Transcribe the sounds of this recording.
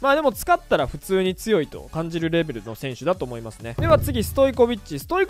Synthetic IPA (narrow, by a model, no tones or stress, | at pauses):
maːd̪e̞mo̞t͡sɨ̥kat̪ːaɾaɸɯ̟t͡sɨːɲ̟it͡sɨjo̞it̪o̞̰kãɲ̟d͡ʑiɾɯ̟ɾe̞be̞ɾɯ̟no̞sẽ̞ɰ̃ɕɨd̪at̪o̞ːmo̞imasɨne̞d̪e̞βat͡sɨɡʲisɨ̥t̪oiko̞bʲit͡ɕisɨ̥t̪o̞i